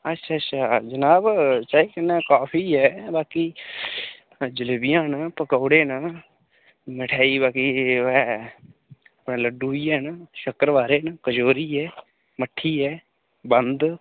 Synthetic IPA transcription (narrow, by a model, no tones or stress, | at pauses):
ətːʃʰaːtːʃʰaːd͡ʒənaːbt͡ʃaːiːkənːaːkaːpʰiːɦɛːbaːkiː | d͡ʒɪlebijãːnapəkəːɽeːnaː | mɪʈʰaːiːbaːkiːɛː | əpɳẽːləɖuːiːɛːnaːʃəkəɾʋaːɾeːnakəd͡ʒoːɾiːɛː | məʈʰːiːɦɛː | bənd̪